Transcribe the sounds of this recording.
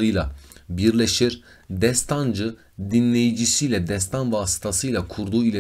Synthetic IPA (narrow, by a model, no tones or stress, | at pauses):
ɯjlˠabiɾlʲe̞ʃiɾ | d̪ɛst̪ʰand͡ʒɯ | d̪inlʲe̞jid͡ʒisijlʲɛd̪ɛst̪ʰanvaːsɯ̥t̪ʰasɯjlˠakʰuɾd̪uːilʲe